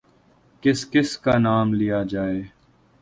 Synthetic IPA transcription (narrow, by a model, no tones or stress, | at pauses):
kɪskɪskaːnaːmlijad͡ʒaːeː